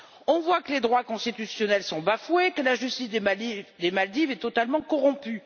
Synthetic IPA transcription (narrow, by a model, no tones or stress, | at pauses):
ɔ̃vwakəled̪ʁwakɔ̃st̪it̪ysjɔnɛlsɔ̃bafwekəlaʒyst̪isd̪ed̪emald̪ivɛt̪ɔt̪almɑ̃kɔʁɔ̃py